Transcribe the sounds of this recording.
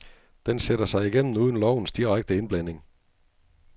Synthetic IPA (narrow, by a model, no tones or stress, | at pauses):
d̥enseɾ̥ɐsɑ̈ɪiɡ̥en̰m̩nuːðˠn̩lɒʊ̰n̩sd̥iʁaɡ̥̚d̥əe̝nb̥læn̰e̝ŋ